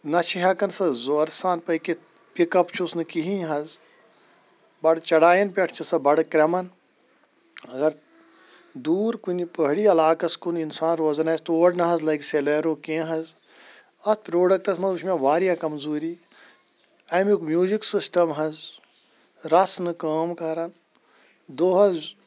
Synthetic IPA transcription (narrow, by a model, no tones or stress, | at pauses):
nɐt͡ʃʰiɦaːkɐnsɐzoɐɾsaːnpɐki | pikɐpt͡ʃʰusnɨkiɦĩjɦɐz | bɐɽt͡ʃɐɽaːjɐnpʲeʈʰt͡ʃʰɐsɐbɐɽkɾɐmɐn | ɐɡɐɾ | d̪uːɾkunipəɦɽiːɐlaːkɐskuninsaːnɾoːzɐnaːɐst̪oːɐɖnɐɦɐzlɐjkseleːɾoːkẽːɦɐz | ɐspɾoːɖɐk̚ʈɐsmɐzt͡ʃʰmʲẽʋaːɾijakɐmzuːɾiː | ɐjmukmjuːziksisʈɐmɦɐz | ɾɐsnɨkaːmkɐɾɐn | d̪oːɦɐz